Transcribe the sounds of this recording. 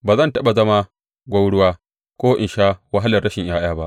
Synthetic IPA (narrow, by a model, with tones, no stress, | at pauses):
baː˨zɐ˦ntɐ˦ɓa˨zɐ˦ma˦ | ɡʷa˦wɽʊ˦waː˦ | kʷoː˦ʔɪ̰˨nʃaː˦wɐ˦ɦa˦lɐ˨rːɐ˦ʃɪ˨ɲj̰ʔaː˦j̰aː˦ba˦ʔ